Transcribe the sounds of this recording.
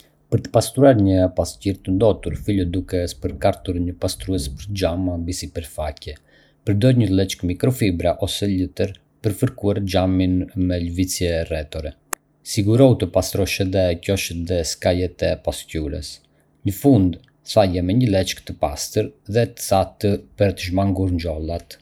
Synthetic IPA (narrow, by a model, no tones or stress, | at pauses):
pəɾt̪ə̥past̪ɾuaɾɲəpasciɾt̪ənd̪ɔt̪uɾfilɔd̪ukɛspəɾkaɾt̪uɾɲəpast̪ɾuɛspəɾt̪d͡ʒamambisipəɾfacɛ | pəɾd̪ɔɾɲəlˠɛt͡ʃkmikɾɔfibɾaʔɔsɛlət̪əɾ | pəɾfəɾkuaɾd͡ʒaminmɛləvit͡sjɛːrɛt̪ɔɾɛ | siɡuɾɔwt̪əpast̪ɾɔʃɛðɛcɔʃəðɛskajɛt̪ɛpascuɾɛ̰s | ɲəfund̪ | θajɛmɛɲəlɛt͡ʃkt̪əpast̪əɾðɛt̪ə̥θat̪əpəɾt̪əʒmaŋɡuɾɲd͡ʒɔlˠat̪